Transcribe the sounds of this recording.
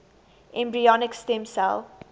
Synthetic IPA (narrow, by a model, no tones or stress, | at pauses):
ʔɛ̃mbɹiɔnɪkstɛ̃msɛ̰l